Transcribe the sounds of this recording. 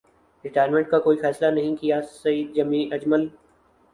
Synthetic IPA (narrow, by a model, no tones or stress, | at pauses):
ɾɪʈaːəɾmẽɳʈ̚kakoːifɛːslanɐɦĩkijasɐiːd̪̚d͡ʒɐmĩːʔɐd͡ʒməl